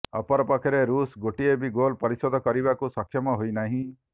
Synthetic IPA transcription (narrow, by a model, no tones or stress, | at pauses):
ɔ̰pɔɾɔpɔkʰeɾeɾusɡoʈiebiɡolpɔɾisɔd̪ʱɔkɔɾibakusɔkʰːjɔmɔɦojnaɦĩ